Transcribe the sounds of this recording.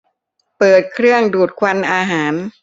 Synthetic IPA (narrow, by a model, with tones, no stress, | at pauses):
pɤː˨˩t̪̚kʰɾɯ˥˩əŋduː˨˩t̪̚kʰwa˧nʔaː˧ɦaː˩˦n